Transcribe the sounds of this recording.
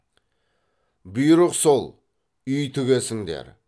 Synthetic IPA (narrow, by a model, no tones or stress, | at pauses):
bʊjɾəqsolˠ | ʏjt̪ʰʏɡʲe̞sɪŋd̪ḛɾ